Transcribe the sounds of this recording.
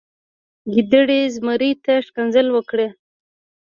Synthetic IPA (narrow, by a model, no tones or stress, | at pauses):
ɡid̪əɽezmaɾit̪aʂkanzəlwəkɽe